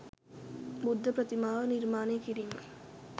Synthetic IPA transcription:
bud̪ʱːɐpɾɐt̪imaːʋɐniɾmaːneːkiɾiŋɐ

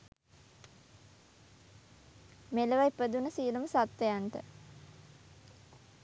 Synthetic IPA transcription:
meləʋajpəd̪unəsiːləməsat̪ʋejanʈə̰

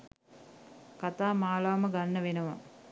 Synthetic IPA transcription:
kat̪aːmaːlaʋaməɡanːəʋenɐʋa̰

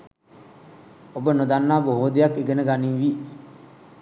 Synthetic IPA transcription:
obənod̪anːaːboɦoːd̪ejakːeɡenəɡaniːʋi

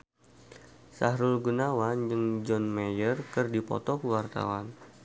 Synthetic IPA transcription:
saɦɾʊlɡunawand͡ʒɨŋd͡ʒɔnmejərkɨrdipɔ̰t̪ɔkuwart̪a̰wan

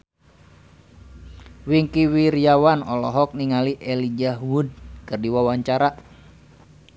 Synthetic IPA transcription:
wiŋkiwiɾijawanɔlɔɦɔk̚niŋaliʔɛlid͡ʒaɦwud̚kɨrdiwawaɲt͡ʃaɾa

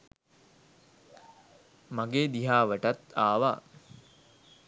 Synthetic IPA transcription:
maɡeːd̪iɦaːʋəʈat̪aːʋaː

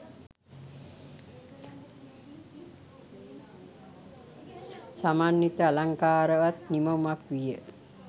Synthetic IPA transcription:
samaːnːit̪əalaŋkaːɾəʋat̪niməmakʋijə

